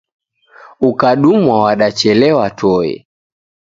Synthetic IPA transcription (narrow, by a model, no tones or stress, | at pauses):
ukaɗumwawaɗat͡ʃɛlɛwatɔɛ̰